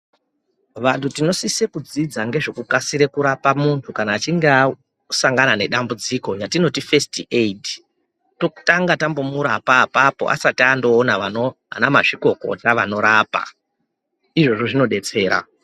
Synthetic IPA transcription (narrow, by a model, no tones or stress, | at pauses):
ʋantʰutino̞sise̞kud͡zid͡zaŋɡe̞ʐo̞kukasiɾe̞kuɾapamuntʰukanaːt͡ʃiŋɡa | saŋɡanane̞ɗambud͡ziko̞jatino̞tife̞stiʔeid | to̞ku̥taŋɡatambo̞muɾapapapo̞̰ʔa̰satiando̞ːnaʋanoɦa̰namaʐiko̞ko̞̰taʋano̞ɾaːpa̰ | iʐo̞ʐo̞ʐino̞ɗe̞t͡se̞ːɾa̰